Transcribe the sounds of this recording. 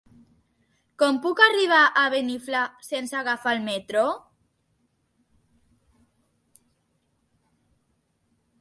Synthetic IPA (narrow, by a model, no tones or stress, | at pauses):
kɔmpukariβ̞aʔaβeniflasensaɣafalmet̪ɾo